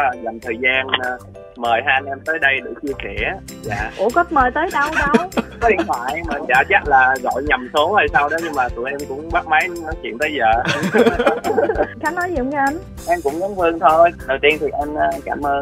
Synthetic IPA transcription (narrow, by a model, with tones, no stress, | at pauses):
za˨˩mt̪ʰəː˨˩jzaː˧nː˨˧ | məː˨˩jɦaː˧nʔɛ˧mt̪əː˨˦jɗə˧jɗɨ̰˧˩t͡ɕɨ˧əkɛ˧˩ | za̰ː˧˨ʔṵ˧˩kə˦˥t̚məː˨˩jt̪əː˨˦jɗə˧wɗə˧wkɔ˨˦ɗi˧nʰwaː˧˩jmaː˨˧nt͡ɕaː˧˩t͡ɕa˦˥t̚laː˨˩ɣɔ̰˧˨jɲə˨˩mso˨˦whə˧˩jsa˧wɗɔ˨˦ɲɨ˧ŋmaː˨˩t̪ṵ˧˩əʔɛ˧mkʊ̰˧˥ŋ͡mɓaː˦˥k̚mə˨˦jnɔ˨˦t͡ɕwḭ˧˨ənt̪əː˨˦jzəː˨˩ | xaː˨˦nɔ˨˦jzḭ˨˧˨mka˨˧˦ʔa˧n | ʔɛ˧mkʊ̰˧˥ŋ͡mnɔ˨˦nvɨ˧əŋt̪ʰo˧jɗə˨˩wt̪i˧ənt̪ʰi˨˩ʔɛ˧maː˧˩kaː˧˩mʔəː˧n